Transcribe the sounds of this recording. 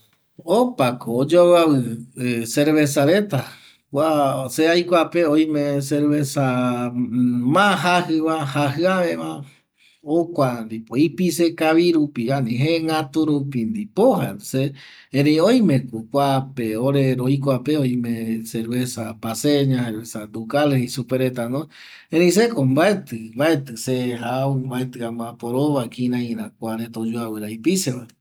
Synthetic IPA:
opakoːd͡ʒowaβɨseɾβesaɾe̞t̪a | kʷaseajkʷapeoj̃mẽseɾβesa | mãɦaɦɨβahaɦɨaβẽβã | okʷand̪ipoipisekaβiɾupianĩɦeŋɡat̪uɾupind̪ipohaseẽɾeioj̃mẽkukʷapeoɾeɾoik̬ʷapeojmẽseɾesabaseɲãseɾesad̪ukalisupeɾet̪ano | ẽɾeĩs̬ekombaet̪ɨmbaet̪ɨseɦaumbaet̪ɨamãpoɾoβakĩnãĩɾãkʷaɾet̪od͡ʒuaweɾaipiseβa

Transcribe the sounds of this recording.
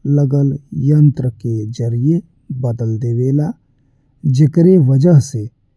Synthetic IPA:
ləɡəljə̃nt̪ɾəked͡ʒəɾije | bəd̪əld̪eːʋeːla | d͡ʒɪkɾeʋəd͡ʒəɦse

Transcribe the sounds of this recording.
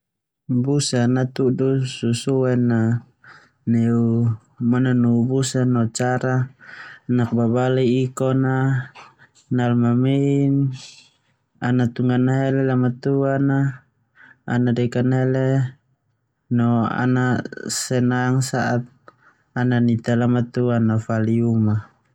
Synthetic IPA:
busanat̪udususuɛna | nɛu | mananubusanɔt͡ʃaɾa | nak̚babaliːkɔna | nalmamein | anat̪uŋanaɦɛlɛlamat̪uana | a̰nadɛkanɛle | nɔa̰nasɛnaŋsaʔat̪̚ | ananit̪alamat̪uanːafaliuma

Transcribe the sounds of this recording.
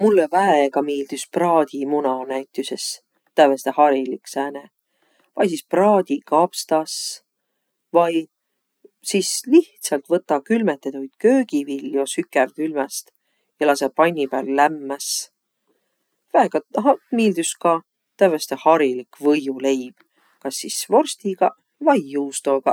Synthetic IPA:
mulːevæeɡɑmeːld̪ysprɑːd̪̥ʲimunɑnæjt̪ːˑyses | t̪ːævest̪ehɑɾiliksæːne | vɑjs̬isprɑːd̪̥ʲikɑpst̪ɑs | vɑj | siːsliht̪sɑlt̪vɤt̪ːˑɑkylmet̪ːˑed̪ɑuijd̪køːɡ̥ivilːjo̞sykːˑert̪ylmɛst̪ | jɑlɑsepɑjnʲːipæːlːæmːæs | væeɡ̥ɑɦɑmiːld̪yskɑ | t̪ævest̪ehɑɾilikvɤjule̞jb̥ | kɑsːisvo̞rst̪iɡ̥ɑ | vɑjːuːst̪o̞ɡ̥ɑ

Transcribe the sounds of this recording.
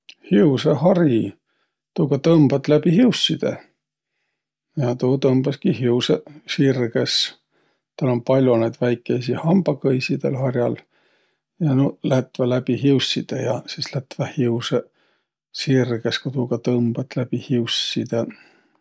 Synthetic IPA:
hiuseɦɑrji | t̪uːɡɑt̪ɤmb̥ɑt̪ːlæb̥iɦiusːid̪̥ḛ | jɑt̪uːt̪ɤmb̥ɑskiɦiwsesirɡes | t̪ɑlo̞npɑlʲjonejd̪̥væjkːˑejsihɑmb̥ɑkɤjsid̪̥ḛlhɑrjɑl | jɑnolæt̪vælæbiɦiusʲːid̪̥ejɑsislæt̪væhiuse | sirɡeskut̪uːɡɑt̪ɤmb̥ɑt̪ːlæb̥ihiusːid̪̥e

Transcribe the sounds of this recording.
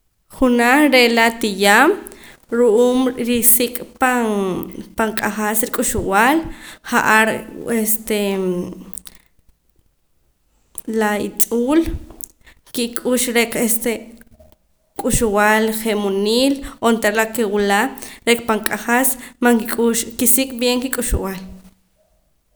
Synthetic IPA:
χunaɾelat̪ijaːmɾuʔuːmɾisikʼpanpaŋkʼaχasɾikʼuʃuwalχaʔaɾest̪e | lait͡sʼuːl | kikʼuʃɾekest̪e | kʼuʃuwalχemoniːlont̪aɾlakewulaɾekpaŋkʼaχasmaŋkikʼuʃkisikʼbjeŋkikʼuʃuwal

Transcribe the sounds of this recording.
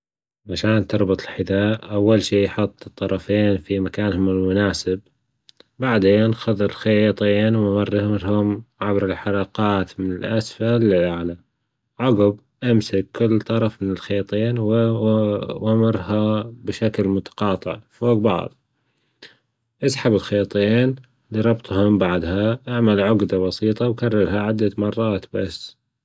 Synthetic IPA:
ʕaʃaːnt̪ɨɾˤbʊt̪ˤlħɪd̪aːʔʔawːalʃiːjħʊt̪ˤːɨt̪ˤːɑɾˤɑfeːnfimakaːnhʊmɪlmʊnaːsɪb | baʕd̪eːnxʊðˤɪlxajt̪ˤiːnwamɑrːɾhʊmʕabɾɪlħɑɾˤɑːqɑːt̪mɪnɪlʔasfalɪʔaʕla | ʕʊɡɪb | ʔamsakkːɪlːt̪ˤɑɾˤɑfmɪnɪlxejt̪ˤeːnwɪ | wamɑɾˤhabɪʃaklmʊt̪ɑ̥qɑːt̪ˤɨ̰ʕfoːɡbɑ̰ʕðˤ | ʔɪsħabɪlxejt̪ˤiːn | liɾˤɑbt̪ˤhʊmbaʕd̪haʔaʕmalʕʊɡd̪abɑsiːt̪ˤɑwkarˤːɑɾˤhaʕɪd̪ːamɑrˤːɑːt̪basː

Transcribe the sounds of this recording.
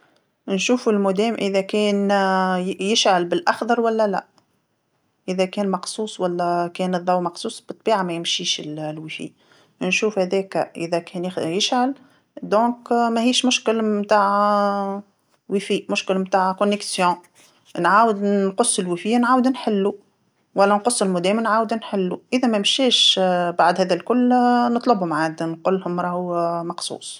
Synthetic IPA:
nʃuːfɪlmʊd̪ɛːmʔɪðækɛːn | jɪʃʕalbɪlʔɑxd̪ɑɾˤwælːælæ̰ | ʔɪðɛkɛːnmɑqsˤuːsˤwælːɛkɛːnɨðˤːɑwmɑqsˤuːsˤbɨt̪ˤːbiːʕamɛjɪmʃiːʃɪllwifḭː | nʃuːfhæðɛːkʔɪ̰ðɛkʰɛːnjɪjɪʃʕal | d̪ɔ̃ːkmɛhiːʃmʊʃkɪlmt̪aːʕ | wifiːmʊʃkɪlmt̪aːʕkʊnːɛksjɔ̃ | nʕaːwəd̪nqʊsˤːɪlwifinʕaːwd̪nħɪlːu | wælːænqʊsːɪlmʊd̪ɛːmnʕaːwd̪nħɪlːuʔɪðɛmɛmʃɛːʃbaʕd̪hɛːðælkʊlːnɨt̪ˤlʊbhʊmʕaːd̪nqʊlːhʊmɾˤɑhumɑqsˤṵːs

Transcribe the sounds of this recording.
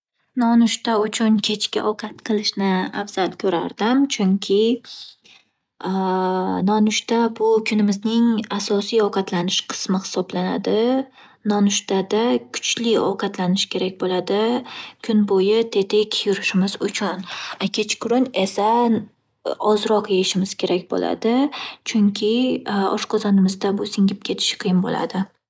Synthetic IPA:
nɒnʊʃt̪aʊt͡ʃʰʊnkʲʰe̞t͡ʃkʲa̰ʔɒqʰɑt̪qʰɨlˠɪʃnɪa̰fz̥alkʲʰɵɾa̰ɾd̪̥ɪmt͡ʃʰʊŋkʲʰɪ | nɒnʊʃt̪abʊkʰʊnɪmɪznɪŋasɒsijɒqʰɑt̪lanɪʃqʰɨ̥smɪhɪ̥sɒblana̰d̪ɪ | nɒnʊʃt̪ad̪akʰʊ̥t͡ʃlɪɒ̰qʰɑt̪ʰlanɪʃkʲʰe̞ɾakʲbolad̪ɪkʰʊnbojɪt̪ʰe̞t̪ʰe̞kʲʰjʊɾɪʃɪmɪzʊt͡ʃʰʊnakʲʰet͡ʃkʰʊɾʊnesan | ɒzɾɒqjeɪʃɪmɪz̥kʲʰe̞ɾakʲbo̰la̰d̪ɪt͡ʃʰʊŋkʲʰɪɒ̰ʃqʰɒzanɪmɪzd̪abʊsɪŋʲɪp̚kʲʰe̞t̪ʰɪ̥ʃqʰɨjɪmbo̰la̰d̪ɪ

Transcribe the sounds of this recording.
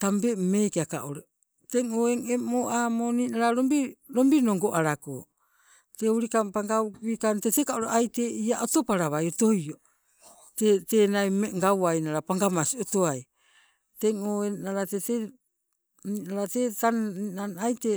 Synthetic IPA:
tambe̞mekaka̰ʔoɾe | teŋoeŋemoʔaːmoninaɾaɾombiɾo̞mbinoŋɡo̞ʔaɾako̰ː | teuɾikampaŋɡauikantetekaoɾeʔajte̞iaʔoto̞paɾaβajo̞to̞jo | tete̞najmeŋɡawajnaɾapaŋɡamasio̞to̞aj | te̞ŋoenaɾatete | ninaɾatetaninanajte

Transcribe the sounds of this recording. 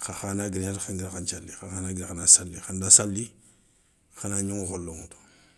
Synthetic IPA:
xaxanaɡiɾɲatxaŋɡiɾxant͡ʃalːixaxanaɡiɾxanasalːixandasalːi | xanaɲuŋxolːoŋuto̥

